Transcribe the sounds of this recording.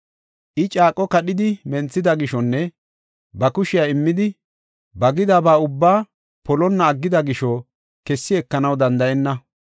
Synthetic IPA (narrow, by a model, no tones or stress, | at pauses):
ʔɪt͡ʃʼaːkʼːɔkɐɗɪd̪ɪmɛnt͡sːɪd̪ɐɡɪʃɔnːɛ | bɐkʊʃɪjaːɪmːɪd̪ɪ | bɐɡɪd̪aːbaːʊbːaː | pɔlɔnːɐːɡːɪd̪ɐɡɪʃɔ | kɛsːɪɛkːɐnɐwd̪ɐnd̪ɐɛnːɐ